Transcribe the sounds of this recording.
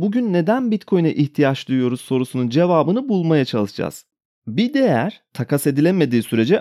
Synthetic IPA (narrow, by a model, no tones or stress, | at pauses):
buɟynːe̞d̪ænbit̪kʰo̞jna̰ʔiçt̪ʰijat͡ʃlˠujujo̞ɾuzso̞ɾusunund͡ʒe̞vaːbɯnɯbulˠmajat͡ʃʰalˠɯʃd͡ʒa̰z̥ | bid̪e̞jæɾ̥t̪ʰakʰase̞d̪ilʲeme̞d̪iːsyɾe̞d͡ʒɛ